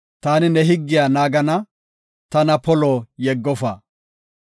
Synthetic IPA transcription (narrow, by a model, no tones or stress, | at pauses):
t̪aːnɪnɛɦɪɡːɪjaːnaːɡɐnɐ | t̪ɐnɐpɔloːjɛɡːɔfa̰